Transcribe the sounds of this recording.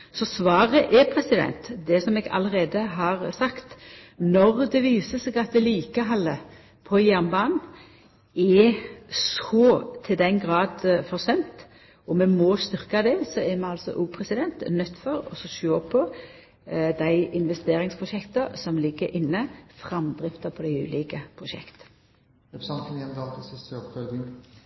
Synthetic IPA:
sɔsʋɑːʁəʔɛpʰɾɛsɪd̪ɛ̰nt̪d̪ɛsɔmɛɡɑ̰ləɾeːd̪əɦɑːʁsɑkt̪ | nɔʁd̪ɛʋiːsəsɛɡɑt̪̚d̪ɛliːkəɦɑlːə | pʰɔjæʁnbɑːnn̩ | ɛ | sɔːt̪ʰɪld̪ɛnɡʁɑːd̪fɔʁsɛnt̪ | ɔmɛmɔst̪ʏʁkɑd̪ɛsɔɛmɛɑlsɔ̰ʔuːpʰʁɛsɪd̪ɛnt̪nœt̪ːfɔɾɔ̰sɔʃoːpʰɔ | d̪æɪɪnʋɛst̪eːɾɪŋspʰʁʊʃɛkt̪əsɔmlɪɡːəɾʔɪnːəfɾɑmd̪ɾɪft̪əpʰɔd̪æɪʉ̰ːliːkəpʰʁʊʃɛ̰kt̪ə̥ | ɛɾsɑnt̪ənɛnd̪ɑːlt̪əsɪst̪øpɑd̪ɪ

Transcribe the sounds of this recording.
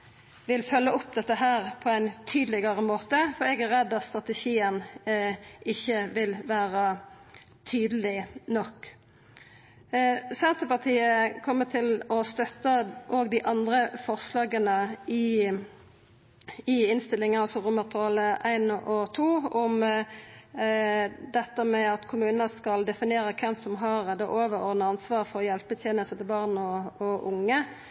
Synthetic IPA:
ʋɪlfœlːəɔpd̪ɛt̪ːəɦæːʁpʰɔæɪnt̪ʰyːd̪lɪɡəʁəmoːt̪əfɔɛɡæʁɛd̪ːɑt̪st̪ʁɑt̪əʃiːən | ʔɪçːəʋɪlʋæːʁə | t̪ʰyːd̪əlɪnɔkː | sɛnt̪əpɑʁt̪ʰiːəkʰɔmːət̪ʰɪlɔst̪œt̪ːəʔoːɡd̪ɪʔɑnd̪ɾəfɔʁslɑːɡənəɪ | ɪɪnst̪ɪlɪŋəɑlsɔʁʊmːəʁt̪ʰɔləʔæɪnɔt̪ʰuːɔm | d̪ɛt̪ːəmɛɑt̪kʰʊmʉːnənəskɑld̪ɛfɪnɪeːɾəkʰɛmsɔmɦɑʁd̪ɛʔoːʋəʁod̪nəɑnsʋɑːʁfɔʁjɛlpbt̪ʰjeːnəsət̪ɪlbɑʁnɔɔʔʊŋːə

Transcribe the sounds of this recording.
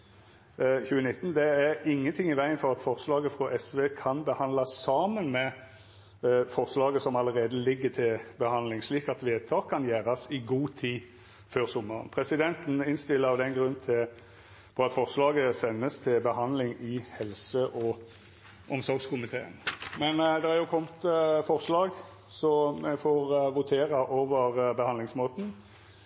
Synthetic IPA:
çʉːənɪt̪ːn̩d̪ɛæʁɪŋːənt̪ʰɪŋɪʋæɪənfɔʁɑt̪fɔʁslɑːɡəfʁɔʔɛsʋeːkʰɑnbəhɑnd̪lɑsɑːmənmɛ | fɔʁslɑːɡəsɔmɑləɾeːd̪əlɪɡːət̪ʰɪlbəhɑnlɪŋsliːkɑt̪ʋeːt̪ʰɑːkʰːɑnjæːɾɑsɪɡuːt̪ʰiː | føːʁsʊmːəʁə̰npʰʁɛsɪd̪ɛnt̪n̩ɪnst̪ɪlːəɑʋd̪ɛnɡʁʉnt̪ʰɪ | fɔɑt̪fɔʁslɑːɡəsɛnːəst̪ʰɪlbəhɑnd̪lɪŋɪhɛlsəʔɔ | ʔɔmsɔɾɡskʰʊmɪt̪ʰeːə̰nmɛnd̪ɛhɑɾjʊkʰɔmt̪fɔʁslɑːɡ | sɔmɛfɔʁʋʊt̪ʰeːʁɑʔoːʋəʁbəhɑnd̪lɪŋsmoːt̪n̩

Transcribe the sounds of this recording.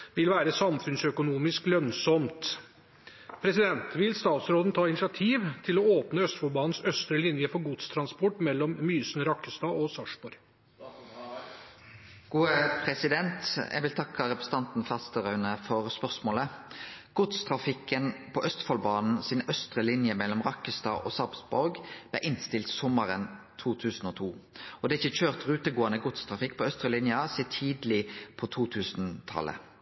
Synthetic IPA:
ʋɪlʋæːɾəsɑmfʉnsœkʊnuːmɪsklœnsɔmt̪ | pʰɾɛsɪd̪ɛnt̪ʋɪlst̪ɑːt̪sɾoːd̪n̩t̪ʰɑːɪnɪsɪɑt̪ʰiːʋt̪ʰɪlɔoːpnəœst̪fɑlbɑːnn̩sœst̪ɾəlɪnjəfɔɾɡʊt̪st̪ʰɾɑnspɔʈːmɛlːɔmmyːsnɾɑkːəst̪ɑɔsɑʂbɔɾ | ɡ̥uːəpʰɾɛsɪd̪ɛnt̪jɛ̰ʋɪlt̪ʰɑkːəɾɛpɾə̥sət̪ɑnt̪n̩fɑst̪əʁɑʉnəfɔʁspœʁsmoːləɡ̥ʊt̪st̪ʰʁɑfɪkːənpʰɔʔœst̪fɑlbɑːnn̩sɪnœst̪ʁəlɪnjəmɛlːɔmʁɑkəst̪ɑ̰ʔo̰ːsɑʁpsbʊɾɡb̥læ̰ʔɪnst̪ɪlt̪sɔməʁənt̪ʰuːt̪ʰʉːsn̩oːt̪ʰuːɔd̪ɛːæɪçəçøːʁt̪ʁʉːt̪əɡoːɑnəɡʊt̪st̪ʰʁɑfɪkːpʰɔœst̪ʁəlɪnjəsɛːt̪ʰiːd̪lɪpʰɔt̪ʰuːt̪ʰʉːsn̩t̪ʰɑ̰lə̰

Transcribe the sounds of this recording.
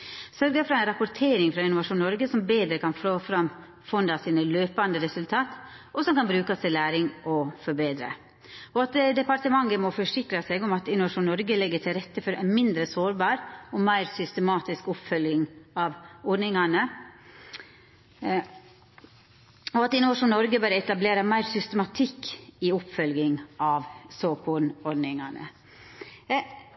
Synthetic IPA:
sœɾɡəfɾɑænɾɑpʊɾt̪ʰeːɾɪŋfɾɑɪnʊʋɑʂuːnːɔɾɡəsɔmbeːd̪ɾəkʰɑnfloːfɾɑm | fɔnd̪ɑsiːnəløːpɑnd̪əɾɛsʉlt̪ʰɑːt̪ | ʔɔsɔmkɑnbɾʉːkɑst̪ɪlæːɾɪŋɔfɔɾbeːd̪ɾə̰ | ɔɑt̪d̪ɛpɑɾʈ̪əmɑŋːəmɔfɔʂɪkɾɑseːɡɔmɑt̪ɪnʊʋɑʂuːnnɔɾɡəlɛɡːəʈʰɪlɾɛt̪ːəfɔɾæ̰nmɪnd̪ɾəsoːɾbɑːɾɔmæɪɾsʏst̪əmɑːt̪ɪskʊpfœlɡɪŋɑʋɔɖnɪŋɑnə | ɔɑt̪ɪnʊʋɑʂuːnːɔɾɡəbæːɾəɛt̪ɑbleːɾɑmæɪɾsʏst̪əmɑt̪ʰɪkːiʊpfœlɡɪŋʔɑʋsoːkʰɔnɔɖnɪŋɑnə̰

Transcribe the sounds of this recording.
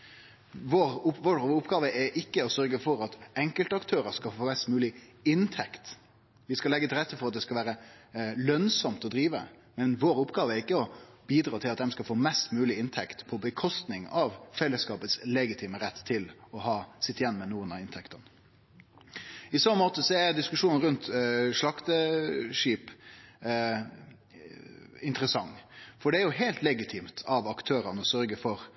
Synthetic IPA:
ʋoɾʋɔɾʊpːɡɑːʋəʔɛɾʔɪkːəɔsœɾɡəfɔɾɑt̪ɛŋkəlt̪əɑkt̪ʰøːɾəɾskɑfoːmɛst̪mʉːlɪɪnt̪ʰɛkt̪ | ʋɪskɑlɛɡːət̪ʰɪlɾɛt̪ːəfɔɾɑt̪̚d̪ɛskɑʋæːɾəlœnsɔmt̪ɔd̪ɾiːʋə̰ | mɛnʋoːɾʊpɡɑːʋəɛɾɪkːəɔb̥iːd̪ɾɑːt̪ʰɪlɑt̪d̪ɛmskɑlfoːmɛst̪mʉːlɪɪnt̪ʰɛkt̪pʰɔbəkʰɔst̪nɪŋɑʋfɛlːəskɑːpət̪slɛɡɪt̪ʰiːməɾɛt̪ːʰɪlɔɦɑːsɪt̪ːɪjɛnːmɛnuːənɑɪnt̪ʰɛkt̪ən | ɪsɔmmoːt̪əsɔæɾd̪ɪskʉʂuːnn̩ɾʉnt̪ʂlɑkt̪əʂiːp | ɪnt̪əɾəsɑŋːfɔɖɛæɾjʊɦɛːlt̪lɛɡɪt̪ʰiːmt̪ʰɑʋɑkt̪ʰøːɾənəɔsœɾɡəfɔɾ

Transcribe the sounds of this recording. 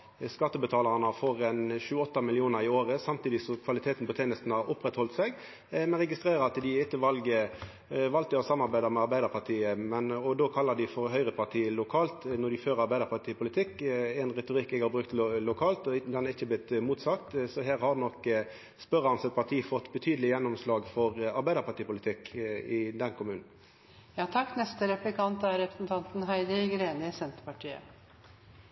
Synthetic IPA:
skɑt̪ːəbət̪ʰɑːlɑʁənəfɔɾɛnɕʉːəɔt̪ːɑmɪlɪuːnəɾɪoːɾəsɑmt̪iːd̪ɪsɔkʰʋɑlɪt̪ʰeːt̪n̩pɔt̪ʰeːnəst̪n̩hɑɾʊpɾɛt̪hɔlt̪sɛɡ | mɛnʁɛɡɪst̪ʁeːɾəɑt̪d̪ɪɪt̪ːəʋɑlɡə | ʋɑlt̪əɔsɑmːɑɾbæɪd̪ɑmɛɑɾbæɪd̪əɾpʰɑʈ̪ʰiːəmɛnɔd̪oːkʰɑlːɑɖ̪ɪfɔɾɦœʏʁəpʰɑʁʈ̪ʰiːlʊkʰɑːlt̪nɔd̪ɪføːɾɑɾbæɪd̪əɾpʰɑt̪ʰiːpʰʊlɪt̪ʰɪkːɛnʁɛt̪ʊʁɪkːɛɡhɑːɾbɾʉkt̪lʊkʰɑːlt̪ɔd̪ɛnæʁɪçːəblɪt̪muːt̪sɑkt̪sɔɦeːɾhɑɾnɔkː | spœʁɑnsɛt̪̚pʰɑʁt̪ʰiːfɔt̪ːbət̪ʰyːd̪əlɪjɛnːɔmslɑːɡfɔʁɑɾbæɪd̪əʁpɑʈ̪iːpʊlɪt̪ʰɪkːɪd̪ɛnkʰʊmʉːnn̩ | jɑːt̪ʰɑkːnɛst̪əɾɛplɪkʰɑnt̪æɾɾɛpɾəsn̩t̪ʰɑnt̪n̩ɦæɪd̪əɪɡɾeːnəɪsɛnt̪ə̥pɑʈʰiːə̰

